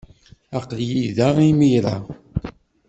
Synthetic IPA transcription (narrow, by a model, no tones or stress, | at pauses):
aqljiðaʁimijɾa̰ʁ